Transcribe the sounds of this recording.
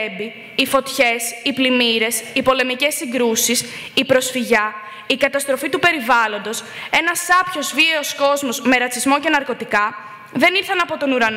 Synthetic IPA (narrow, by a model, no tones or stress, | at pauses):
mbiː | fo̞t̪çe̞siplimiɾe̞sipo̞le̞mice̞sːiŋɡɾusis | ipɾo̞sfiʝɐ | ikɐt̪ɐst̪ɾo̞fit̪upe̞ɾivɐlo̞nd̪o̞se̞nɐsɐpço̞zvieo̞sko̞zmo̞zme̞ɾɐt͡sizmo̞ce̞nɐɾko̞t̪ikɐ | ðe̞niɾθɐnɐpo̞t̪o̞nuɾɐn